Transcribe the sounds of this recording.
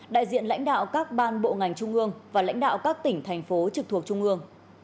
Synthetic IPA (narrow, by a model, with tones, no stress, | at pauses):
ɗa̰ː˧˨jzḭ˧˨ənla̰˧˥jŋ̟ɗa̰ː˧˨wkaː˦˥k̚ɓaː˧nɓo̰˧˨ŋa˨˩jŋ̟t͡ɕʊ˧ŋ͡mʔɨ˧əŋvaː˨˩la̰˧˥jŋ̟ɗa̰ː˧˨wkaː˦˥k̚t̪ï˧˩ŋ̟t̪ʰɛ˨˩jŋ̟fo˨˦t͡ɕɨ˨˩k̚t̪ʰək̚t͡ɕʊ˧ŋ͡mʔɨ˧əŋ